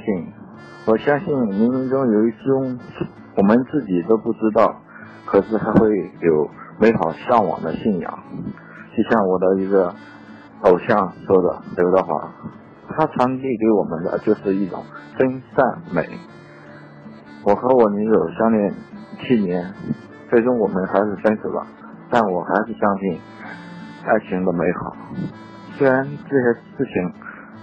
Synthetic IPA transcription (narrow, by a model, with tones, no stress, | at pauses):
i˥˩n | wɔ˨˩ɕjɑ˥ŋɕi˥˩nmi˧˥nmi˧˥ŋʈ͡ʂʊ˥ŋjo˨˩ʊi˧˥t͡sʰɻ̩˥ʈ͡ʂʊ˥ŋ˥˩ | wɔ˨˩mə˦nt͡sɹ̩˥˩t͡ɕi˨˩t̪o˥ʊpu˥˩ʈ͡ʂɻ̩˥t̪ɑ˥˩ʊ | kʰɤ˨˩ʂɻ̩˥˩xʰa˥ɪxwe˥˩ɪjo˨˩ʊme˧˥ɪxɑ˨˩ʊɕjɑ˥˩ŋwɑ̰˨˩ŋd̪ə̰˦ɕi˥˩njɑ̰˨˩˦ŋ | t͡ɕo˥˧ɕjɑ˥˩ŋwɔ˨˩d̪ə˦i˧˥ɡə˧ | o˨˩ʊɕjɑ˥˩ŋʂwɔ˥d̪ə̰˨˧˩t̪ɑ˥˧ʊxwa̰˥˩ | t̪ʰa˥t͡sʰwa˧˥nt̪i˥˩ke˧˥ɪwɔ̰˨˩mə̰˧˦nd̪ə̰˧˩t͡ɕjo˥˧ʊʂɻ̩˥˧i˥˩ʈ͡ʂʊ̰˨˩˦ŋfə˥nsa˥˩nme˨˩˦ɪ | wɔ˨˩xɤ˧˥wɔ˨˩ni˧˥ɻo˨˩ʊɕjɑ˥ŋljɛ˥˩nt͡ɕʰi˥njɛ˧˥n | t͡swe˥˩ɪʈ͡ʂʊ˥ŋwɔ˨˩mə˧˦nxa˧˥ɪʂɻ̩˥˩fə˥ns̩ʰ˨˩lə̰˦ | t̪a˥˩nwɔ˨˩xa˧˥ɪʂɻ̩˥˩ɕjɑ˥ŋɕi˥˩n | a˥˩ɪt͡ɕʰi˧˥ŋd̪ə˧me˧˥ɪxɑ̰˨˩˦ʊ | swe˥ɻa˧˥nʈ͡ʂɤ˥˩ɕɛ˥ʂɹ̩˥˩t͡ɕʰi˧˥ŋ